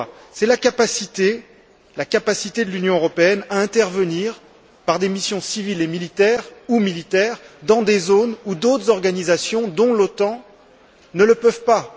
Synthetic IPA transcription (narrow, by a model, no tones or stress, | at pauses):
sɛlakapasit̪e | lakapasit̪ed̪əlynjɔ̃øʁɔpeɛnaɛ̃t̪ɛʁvəniʁ | paʁd̪emisjɔ̃sivilemilit̪ɛʁumilit̪ɛʁd̪ɑ̃d̪ezonud̪ot̪χzɔʁɡanizasjɔ̃d̪ɔ̃lot̪ɑ̃ | nələpœvpa